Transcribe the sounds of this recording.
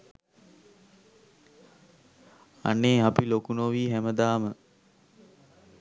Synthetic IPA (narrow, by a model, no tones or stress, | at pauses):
a̰nːeːapilokunoʋiːɦæməd̪aːmə